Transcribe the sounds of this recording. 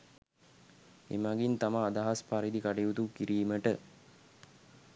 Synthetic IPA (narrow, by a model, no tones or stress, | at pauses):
ḛmaɡint̪amaːd̪aɦaspaɾid̪ikaʈijut̪ukiɾiːməʈə